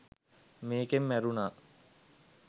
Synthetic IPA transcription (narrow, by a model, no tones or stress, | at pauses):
meːkemːæɾunaː